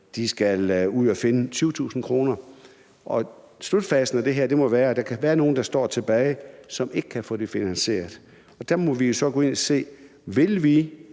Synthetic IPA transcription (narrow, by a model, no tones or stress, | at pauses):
d̥isɡ̥æluð̰ˠɒfe̝nət͡sʰyːʊt͡sʰṵːsn̩kʰʁo̝ːnɐ | ʔɒ̽ | slud̥fɛsn̩æd̥e̝ɦeɐ̰d̥e̝mɒʋæːɐd̥ɑ̈kʰæʋæːɐno̝ːn̩d̥ɑ̈sd̥ɒ̰ːt͡sʰe̝b̥ɛːɪsɒ̽me̝ɡ̥ə̥kʰæfɔ̰̽ːd̥e̝finænse̝̰ːɐðˠ | ɒ̽d̥æɐmɒ̽ʋijo̝sɒ̽ɡ̥ɔ̽ːe̝nɒse̝̰ː | ʋe̝lʋi